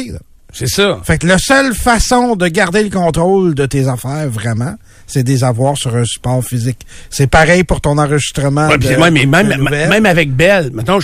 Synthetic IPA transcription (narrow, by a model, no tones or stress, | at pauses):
sɛsʌfaklasœlfasɔ̃d̪əɡaʁd̪eləkɔ̃ːt̪ʁold̪ət̪ezafɛːʁvʁɛmã | sɛd̪ezavwaːʁsyʁɛ̃sy̥pɑːʁfizɪk | sɛpaʁɛjpuʁt̪ɔ̃nɑ̃ːʁəʒist̪ʁəmãwɛpiwɛ̃mɛmɛ̃mbɛmɛ̃mavɛk̚bɛlmɛt̪ɔ̃